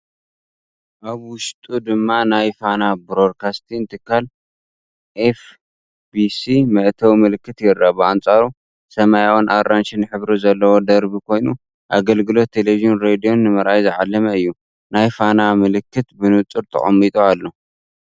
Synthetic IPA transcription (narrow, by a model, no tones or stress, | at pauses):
ʔaβwʊʃt̪ʼud̪ɨmːanajfanabɾod̪kʰast̪ʰinɨt̪ʰɨkʰːal | ʔef | bisimɐʔt̪ʰɐwmɨlɨkːɨt̪jɪrːabɨant͡sʼaɾu | sɐmajawnʔaɾːanʃɪnħɨβɾizɐlːɐwod̪ɐɾbikʰo̞jnu | ʔa̰ɡɐlɡɨlo̞t̪ʰːeleβiʒionɾed̪ijo̞nːɨmɐɾʔajzɨʕalːɐmɐɨjːu | najfanamɨlɨkːɨt̪bɨnɨt͡sʼuɾt̪ʰɐ̰χʼɐ̰mːit̪ʼoalːo̞